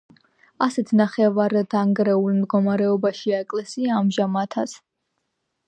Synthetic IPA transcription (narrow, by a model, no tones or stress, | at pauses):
asɛt̪ʰnaχɛvaɾd̪aŋɡɾɛulˠmd̪ɡɔmaɾɛɔbaʃiaɛkʼlɛsiaːmʒamat̪ʰas